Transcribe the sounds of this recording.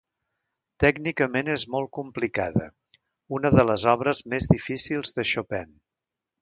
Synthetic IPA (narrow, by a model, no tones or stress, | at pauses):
t̪ɛɡnikəmenezmɔlˠt̪̚kumplikaðə̰ | unəðələzɔβ̞ɾəzmezðifisilˠzðəʃopɛn